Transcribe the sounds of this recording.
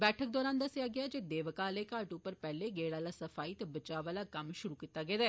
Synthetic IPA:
bɛːʈʰək̚d̪ɔːɾãːnd̪əsɪjaːɡɪaːd͡ʒeːd̪eːʋəkaːleːkaːʈupəɾpɛːleːɡeːɽaːlaːsəfʰaːiːt̪ebət͡ʃaːʋaːlaːkəmʃʊɾuːkiːt̪ːaːɡeːd̪aɛː

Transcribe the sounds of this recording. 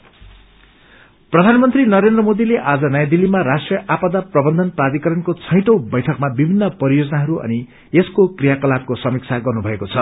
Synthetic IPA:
prʌd̪ʱanʌmʌnt̪rinʌɾend̪rʌmod̪ileʔad͡zʌnʌjad̪ilːimarasʈrijʌʔapad̪aprʌbʌnd̪ʱʌnprad̪ikʌɾʌnkot͡sʰʌj̃ʈʌwbʌjʈʰʌkmabibʱinːʌpʌɾijod͡zʌnaɦʌɾuʔʌ̰ni | eskokrijakʌlap̚kosʌmik̚t͡sʰaɡʌrnubʱʌekot͡sʰʌ

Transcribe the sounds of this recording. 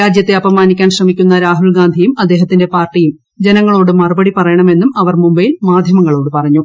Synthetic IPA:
aːd͡ʑjɐt̪ːe̞ɐbɐmaːnikʲːaːnɕrɐmikʲːunːɐɾaːɦuɭɡaːnd̪ʱijumɐd̪ːe̞ːɦɐt̪ːinde̞paːrʈːijum | d͡ʑe̞nɐŋːɐɭo̞ːɽɨmɐrubɐɽipɐrɐjɐɳɐme̞nːumɐʋɐrmumbɐjilmaːd̪ʱjɐmɐŋːɐɭo̞ːɽɨpɐrɐɲːu

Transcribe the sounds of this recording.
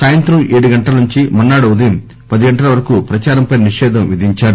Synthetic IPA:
saːjɐnt̪ɾɐmʔeːɽuɡɐɳʈɐlɐnuɲt͡ʃimɐnːaːɽuud̪ɐjɐm | pɐd̪iɡɐɳʈɐlɐʋɐɾɐkupɾɐt͡ʃaːɾɐmpɐjnɐniʂɛːd̪ʱɐmʋid̪ʱiɲt͡ʃaːɾu

